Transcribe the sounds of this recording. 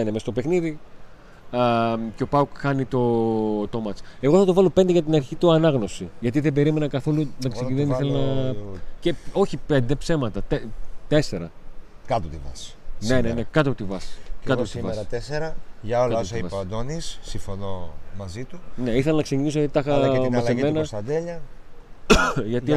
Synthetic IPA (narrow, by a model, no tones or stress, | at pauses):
inemest̪opexniði | ceo̞pɐukxɐnit̪o̞t̪omɐt͡se̞ɣoθɐt̪ovɐlo̞pend̪eʝɐt̪inɐɾçit̪uɐnɐɣno̞siʝɐt̪iðebe̞ɾime̞nɐkɐθo̞lunɐkseiðeniθelɐnɐ | ceo̞çipe̞nd̪epse̞mɐt̪ɐt̪et̪e̞se̞ɾɐ | kɐt̪ot̪ivɐ̰senenekɐt̪ot̪ivɐskɐt̪ot̪ivɐsɾɐt̪eseɾɐʝɐolɐɐosɐivɐsd̪onisːiɱfonomɐzit̪une̞iθelɐnɐkse̞cinis̬oit̪ɐxɐmɐleme̞nɐsɐd̪eʎɐ | ʝɐt̪i